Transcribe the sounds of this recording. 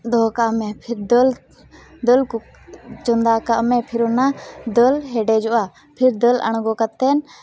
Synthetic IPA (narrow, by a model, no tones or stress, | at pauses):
d̪ɔːkaʔmɛ̃pʰɪɾd̪əl | d̪əlku | t͡ʃɔnd̪akaʔmɛ̃pʰɪɾɔnad̪əlɦɛɖɛd͡ʒɔʔa | pʰɪɾd̪ələ̰ɳ̃ɡɔkat̪ɛn